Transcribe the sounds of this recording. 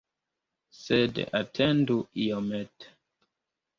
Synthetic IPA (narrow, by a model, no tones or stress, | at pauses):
sedatʰenduʔiomet